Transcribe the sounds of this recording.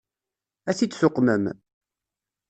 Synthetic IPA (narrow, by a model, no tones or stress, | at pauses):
æθit͡sːsʊqːməm